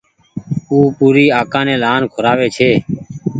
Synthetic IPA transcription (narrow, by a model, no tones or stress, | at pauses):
uːpuːɾiːaːkãːnẽːlaːnkʰʊɾaːʋeːt͡ʃʰeː